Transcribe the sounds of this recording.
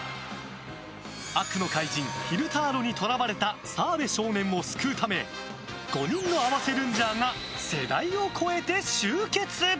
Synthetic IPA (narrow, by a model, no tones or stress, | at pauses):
akɯ̟no̞kaid͡ʑĩŋçiɾɯ̟t̪aːɾo̞ɲ̟it̪ʰo̞ɾabaɾe̞t̪asaːbe̞ɕo̞ːnẽ̞mːo̞sɨ̥kɯt̪ʰame̞ | ɡ̥o̞ɲĩnːo̞aβase̞ɾɯ̟̃ɲ̟d͡ʑaŋa | se̞d̪aio̞kʰo̞e̞t̪e̞ɕɨːke̞t͡sɨ